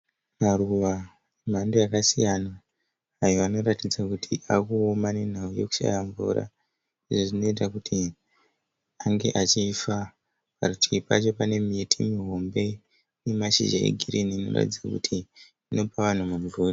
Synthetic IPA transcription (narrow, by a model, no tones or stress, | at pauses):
maruʋa | em̤andojakasijanaː | joʋano̞ɾatid͡zakutʰiʔakuomane̞n̤auje̞ku̥ʃa̰jaɱvṵɾa̰ | iʐoʐino̞it̬akutʰi | aŋɡe̞̰ʔat͡ʃifa | parutʰipat͡ʃo̞pane̞mitʰimiɦo̞mbe̞ | nemaʃḭʒaḛɡʱiriniːno̞̰ra̰tid͡zakutʰiː | no̞paʋan̤umuɱvuːri